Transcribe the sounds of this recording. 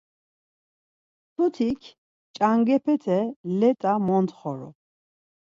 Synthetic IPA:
t̪ʰut̪ʰikʰ | t͡ʃʼaŋɡɛpʰɛt̪ʰɛlɛt̪ʼamɔnt̪χɔɾɔ̰

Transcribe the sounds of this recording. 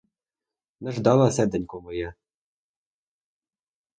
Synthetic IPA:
nɛʒd̪ɑlˠɐsɛd̪ɛnʲkɔmɔjɛ

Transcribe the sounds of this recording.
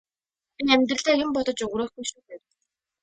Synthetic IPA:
enæmʲt̪̬rə̆ɮeːjʊmpɔt̪ɞ̆t͡ɕɵɣɾoːxɡujʃuːt̪eːt̪

